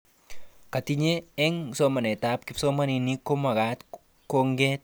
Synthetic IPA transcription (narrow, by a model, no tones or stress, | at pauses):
katiɲeɛŋsɔmanɛtap̚kɪpsɔmaninikomaɣat̪ | koŋɡɛt̪̚